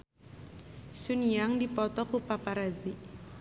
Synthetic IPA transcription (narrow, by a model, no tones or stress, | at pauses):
sunijaŋdipɔt̪ɔkupapaɾaziʔ